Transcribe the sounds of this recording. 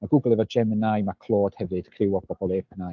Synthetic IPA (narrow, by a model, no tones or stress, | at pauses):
maɡʊɡlˠɪvɔd͡ʒɛmənajmakʰl̥ˠoːd̥hɛvɨd̥kʰrɪwɔbʰɔbɔlˠeːpʰəna